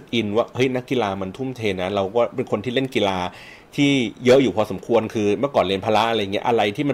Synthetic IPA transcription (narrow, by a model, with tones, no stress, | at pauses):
k̚ʔi˧nwaː˥˩hɤ˦˥jna˦˥kːi˧laː˧ma˧nt̪ʰu˥˩˨mt̪ʰeː˧nːa˦˥ɾa˧wkɔː˥˩pe˧nkʰo˧nt̪ʰiː˥˩le˥˩nki˧laː˧ | t̪ʰiː˥˩jɤ˦˥ʔjuː˨˩pʰɔː˧so˩˦mkʰu˧ənkʰɯː˧mɯ˥˩kɔː˨˩nli˧˩ənpʰaː˧la˦˥ʔa˧ɾjːŋi˦˥ʔa˧ɾa˧jt̪ʰiː˥˩ma˧